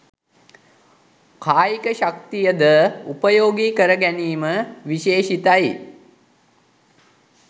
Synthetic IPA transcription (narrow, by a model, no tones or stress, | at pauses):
kʰaːjikəʃak̚t̪ijəd̪əupəjoːɡiːkəɾəɡæniːməʋiʃeːʃit̪aj